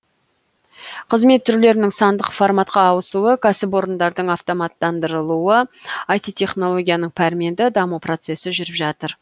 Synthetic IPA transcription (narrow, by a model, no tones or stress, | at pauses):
qʰəzme̞t̪ʰːʏɾle̞ɾɪnɪŋsɑnd̪əqfoɾmɑt̪̚qɑːwəsuəkʲʰæsɪpo̞ɾənd̪ɑɾd̪əɴɑft̪o̞mɑt̪ːɑnd̪əɾəlˠuəɑjt̪it̪ʰʲe̞χno̞lˠo̞ɡʲijanəɴpʰæɾmie̞nd̪ɪd̪ɑmupro̞t̪se̞sɪʒʏɾɪpʒɑt̪əɾ